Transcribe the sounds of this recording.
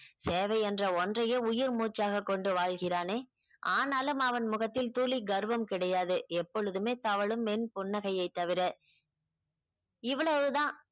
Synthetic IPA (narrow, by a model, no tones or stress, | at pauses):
seːʋɐɪɛndrɐɔndrɐjɐʊjɪɾmuːt͡ʃːaːɣɐkːɔɳɖɯʋaːɻɣɪraːneː | aːnaːlɯmɐʋɐnmʊɣɐt̪ːɪlt̪uːliɡɐɾɯʋɐmkɪɽɐjaːðɯɛpːɔɻɯðɯmeːt̪ɐʋɐɭɯmɛnpʊnːɐɣɐjɐɪt̪ːɐʋɪɾɐ | ɪʋɐɭɐʋɯðãː